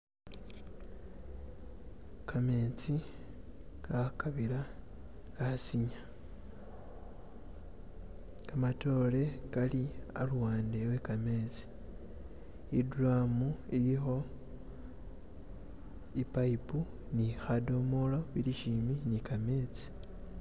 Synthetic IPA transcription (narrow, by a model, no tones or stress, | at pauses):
kʰame̞t͡si | kakaβila | kasiɲa | kamato̞ːle̞kalia̰lwaːndewe̞kame̞t͡si̥ | iduɾamuilixo̞ | ipaipu | nixado̞molo̞βiliʃiminikame̞ːt͡si̥